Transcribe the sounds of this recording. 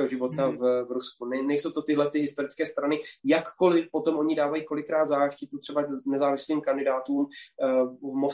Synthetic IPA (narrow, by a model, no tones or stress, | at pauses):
ɦoʒɪvo̞t̪avvɾuskunɛnɛjso̞wt̪ot̪ɪɦlɛt̪ɪɦɪst̪o̞ɾɪt͡skɛːst̪ɾanɪjakːo̞lɪpo̞t̪o̞mʔo̞ɲɪdaːvajiːko̞lɪkɾaːd̪zaːʃcɪt̪ut̪r̥ɛbanɛzaːvɪsliːmkandɪdaːt̪uːm | vmo